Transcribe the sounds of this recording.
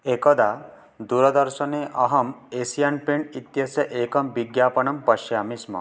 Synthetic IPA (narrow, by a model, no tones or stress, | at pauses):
ekɔd̪a | d̪uɾɔd̪ɔɾsɔneʔɔɦɔmesijanpeɳit̪jɐsɔʔekɔmbiɡjapɔɳɔmpɔʃjamismɔ̰